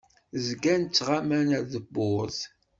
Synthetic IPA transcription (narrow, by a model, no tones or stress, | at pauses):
zɡænt͡sːʁamænæɾðəbːʊz